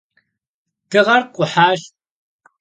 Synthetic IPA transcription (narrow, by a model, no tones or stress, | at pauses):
d̥ɨʁɐrqʷʼʊħaːʒ